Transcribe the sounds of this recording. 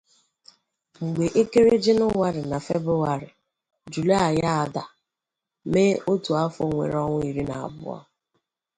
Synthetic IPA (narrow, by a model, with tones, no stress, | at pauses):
ŋ͡m̩˨ɡ͡be˨ʔe˦ke˦ɾe˦d͡ʒɪ˦nʊ˦ŋʷa˦ɾɪ˨na˨fḛ˦bɾʊ˦wa˨ɾɪ˨ | d͡ʒu˨le˦a˨ja˦a˨da˨ | me˦o˦tu˨a˦fʊ˦ŋʷḛ˨ɾɔ˦ŋʷʊ˦i˨ɾi˦na̰˨a̰˨bʊ̰˦ɔ̰˦